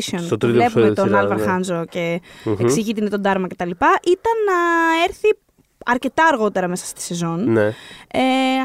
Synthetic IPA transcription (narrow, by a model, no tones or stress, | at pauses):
siont̪ot̪ɾivle̞pummet̪onɐlvɐɾxɐnzoce̞eksiʝit̪inet̪o̞d̪ɐɾmɐce̞t̪ɐlipɐʔit̪ɐnːɐe̞ɾθi | ɐɾce̞t̪ɐːɾɣo̞t̪e̞ɾɐme̞sɐ̥st̪i̥se̞zo̞nnee